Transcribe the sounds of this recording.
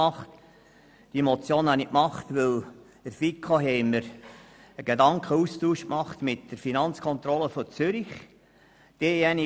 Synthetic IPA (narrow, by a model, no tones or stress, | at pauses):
ɑχt | d̥iemot͡sjoːnɑnikmɑχt̪ʋɪl̥ | əɾfikχoɦɛɪməɾ | əɡ̥edɑŋkʰχəustuːʃkmɑχt̪mɪtd̥əɾfinɑnt͡skʰɔnt̪ɾɔləfɔt͡sʏɾiχ | d̥eːɛni